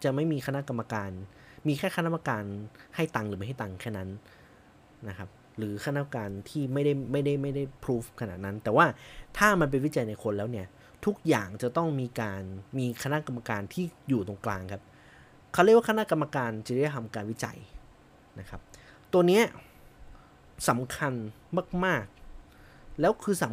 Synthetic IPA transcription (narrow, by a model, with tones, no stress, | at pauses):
t͡ɕa˨˩ma˥˩jmiː˧xʰa˧na˦˥ʔka˧mːa˧kaː˧n | miː˧kʰaː˥˩ka˥nʰ˦˥ma˧kaː˧nha˥˩jt̪a˨˧ŋɾɯː˩˦a˥˩ɦa˥˩jt̪a˧˩ŋkʰɛː˥˩na˦˥n | na˦˥kʰa˦˥p̚ | ɾɯː˩˦kʰa˧na˦˥˧a˧kaː˧nt̪ʰiː˥˩ma˥˩jda˥˩jma˥˩jda˥˩jma˥˩jda˥˩jpʰɾuː˦˥fkʰa˧na̰˨˩t̪̚na˦˥nt̪ɛː˨˩waː˥˩t̪ʰaː˥˩ma˧np̬e˧nwi˦˥t͡ɕa˧jna˧jkʰo˧nlɛː˦˥wni˥˩ɐ | t̪ʰu˦˥k̚ja̰ː˨˩ŋt͡ɕa˨˩t̪ɔ˥˩ŋmiː˧kaː˧nmiː˧kʰa˧na˦˥ka˧mːa˧kaː˧nt̪ʰiː˥˩juː˨˩t̪oː˧ŋklaː˧ŋkʰa˦˥p̚ | kʰwɾ̚wa˥˩kʰna˦˥˧ka˧mːa˧kaː˧nt͡ɕa˨dt̪ʰa˧mkaː˧nwi˦˥t͡ɕa̰˧j | na˦˥kʰa˦˥p̚ | t̪u˧əni˦˥ɐ | sa˩˦mkʰa˧n | maː˥˩k̚maː˥˩k̚ | lɛː˦˥wkʰɯː˧sa˩˦